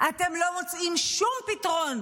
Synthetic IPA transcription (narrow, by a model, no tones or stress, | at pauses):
ʔate̞mlo̞mot͡simʃumpit̪aʁo̞n